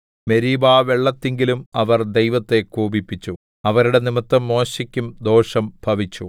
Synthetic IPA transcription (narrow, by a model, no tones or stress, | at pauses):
me̞ɾiːbaːʋe̞ɭːɐt̪ːeŋɡilumɐʋɐrd̪e̞jʋɐt̪ːe̞kuːbipːit͡ɕːu | ɐʋɐɾuɽe̞nimɐt̪ːɐmːo̞ːɕikʲːumd̪o̞ːʂɐmbʱɐʋit͡ɕːu